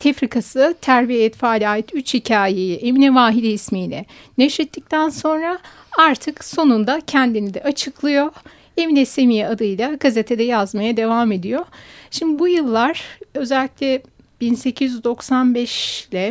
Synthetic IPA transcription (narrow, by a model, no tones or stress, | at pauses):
t̪ʰefɾikʰasɯt̪ʰæɾbijɛt̪faːlʲaːjit̪ʰyt͡ʃhicʰaːje̞jiʔeminɛvaːɦid̪ɛismiːlʲɛ̰ | neʃɾit̪ʰːic̚t̪ʰænso̞nɾa | aɾt̪ʰɯkso̞nund̪acʰænd̪inid̪ɛʔat͡ʃʰɯklˠɯjo̞ | e̞minɛse̞mijɛad̪ɯjlˠaɡaze̞t̪ʰed̪ɛjazmajad̪e̞vaːme̞d̪ijo̞ʃimd̪ibujɯlˠːaɾ̥ø̞zɛlʲːicʲlʲɛ | b̥inse̞cʰizd̪o̞ksanbɛʃlʲɛ